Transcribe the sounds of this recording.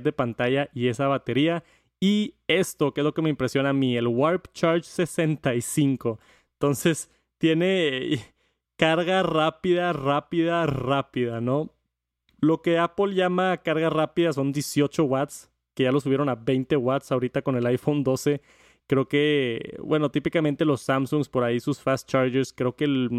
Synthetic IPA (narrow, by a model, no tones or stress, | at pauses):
t̪ðe̞pant̪aʝaʔie̞saβat̪e̞ɾia | ie̞st̪o̞keezlo̞ke̞me̞impɾesjo̞namĩe̞lɣwaɾpt͡ʃaɾt͡ʃse̞se̞nt̪aisiŋko̞ | ent̪o̞nse̞s | t̪je̞ne̞ | kaɾɣarapiðarapiðarapiðano̞ | lo̞ke̞apolʝamakaɾɣarapiðas̬o̞nd̪jesjo̞t͡ʃo̞ɣwat̪s | ke̞ʝalo̞s̬uβje̞ɾo̞naβejnt̪e̞ɣwat̪saoɾit̪ako̞ne̞lajfo̞nd̪o̞se̞ | kɾe̞oke̞bwe̞no̞t̪ipikamẽnt̪elo̞sːamsuŋɡspo̞ɾaisusfast̪̚t͡ʃaɾʝeɾskɾeokel